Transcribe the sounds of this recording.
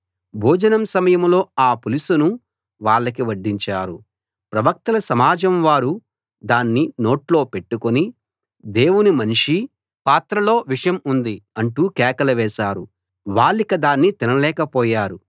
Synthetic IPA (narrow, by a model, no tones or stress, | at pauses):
bʱɔːd͡ʒɐnɐmsɐmɐjɐmlo̞ːaːpulisunu | ʋaːɭːɐkiʋɐɖːiɲt͡ʃaːɾu | pɾɐʋɐk̚t̪ɐlɐsɐmaːd͡ʒɐmʋaːɾu | d̪aːnːino̞ːʈlo̞ːpe̞ʈːukoni | d̪e̞ːwunimɐniʂi | paːt̪ɾɐlo̞ːʋiʂɐjɐmund̪iɐɳʈuːkɛːkɐlɐʋɛːʃaːɾu | ʋaːɭːikɐd̪aːnːit̪inɐlɛːkɐpɔːjaːɾu